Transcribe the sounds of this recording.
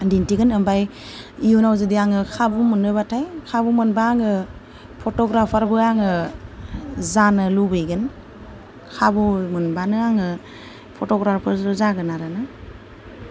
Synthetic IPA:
dintiɡɯnɯmbaj | ijunawzɯdiaŋɯkʰabumɯnɯbatʰajkʰabumɯnbaːŋɯ | pʰɔtɔɡɾapʰaɾbɯaŋɯ | zanɯlubɯjɡɯn | kʰabumɯnbanɯaŋɯ | pʰɔtɔɡɾapʰaɾɾɯzaɡɯnaɾanɯ

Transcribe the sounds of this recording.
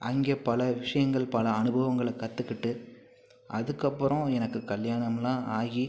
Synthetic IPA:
ʔɐŋɡeːpɐlɐʋɪʂɐjɐŋɡɐɭpɐlɐɐnɯbʱɐʋɐŋɡɐɭɐkːɐt̪ːɯkːɪʈːɯ | ʔɐðɯkːɐpːɯɾɔ̃ɛnɐkːɯkɐljaːɳɐmlãːʔaːɣi

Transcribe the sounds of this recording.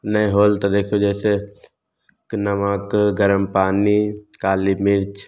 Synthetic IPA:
nəẽɦoːlt̪od̪eːkʰod͡ʒɛːse | knəmaːkɡəɾəmpaːnikaːlimɪɾt͡ʃ

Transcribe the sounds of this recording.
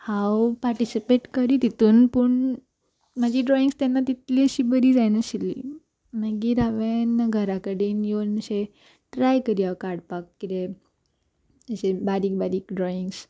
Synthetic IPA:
hawpaɾʈisipeʈkəɾiːt̪it̪uːnpuɳ | m̤əd͡ʑʱiːɖɾɔiŋɡst̪janːat̪it̪liːəɕiːbəɾiːd͡zajnəɕilḭː | naɡiːɾaʋenɡʱəɾakəɽiːnjonəɕe | ʈɾajkəɾiːawkaɾɽpak̚kːid̪e | əɕebaɾiːk̚baɾiːkɖɾɔiŋɡs

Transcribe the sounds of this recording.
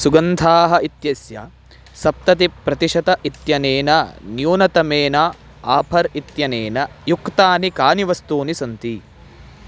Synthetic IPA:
suɡɐnt̪ʰaːɦɐit̪jɐsjɐ̰ | sɐp̚t̪ɐt̪ipɾɐt̪iʂɐt̪ɐʔit̪jɐneːnɐnjuːnɐt̪ɐmeːnɐ | aːpʰɐɾit̪jɐneːnɐjukt̪aːnikaːniʋɐst̪uːnisɐnt̪i

